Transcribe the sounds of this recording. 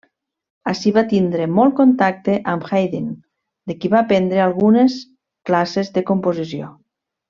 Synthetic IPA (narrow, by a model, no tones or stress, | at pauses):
asiβat̪ind̪ɾemɔlˠkont̪ak̚t̪eʔamxajðin | d̪ekiβaːpɛnd̪ɾealˠɣunes | klasezðekompozisio̰